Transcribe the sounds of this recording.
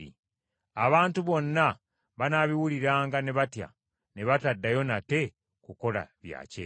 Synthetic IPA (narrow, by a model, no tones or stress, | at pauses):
ḭ | aβaːntuβo̞nːa | βanaβiwuliɾaːŋɡane̞βatja̰ | ne̞βatadːajo̞nate̞ | kuko̞la̰βja̰ːcḛ